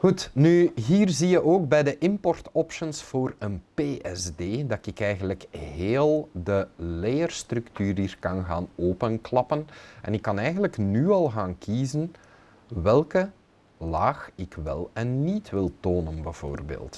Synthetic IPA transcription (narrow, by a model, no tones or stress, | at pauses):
ɣutnyɦiːrzijəʔoːɡ̚bɛjdəʔɪmpɔrtɔpʃənsfoːrənpeːʔɛzdeːdɑtɪkɛjɣənləkɦeːlˠdəlejərstrʏktyːɾiːrkɑnɣa̰ːnoːpənklɑpənʔɛ̰nɪkːɑnɛjɣənləknyːɑlˠɣaːnkʰiːzən | ʋɛlˠkə | laːxɪkʋɛ̰lˠɛnːitʋɪlˠtoːnənbəv̥o̰ːrbḛːlˠt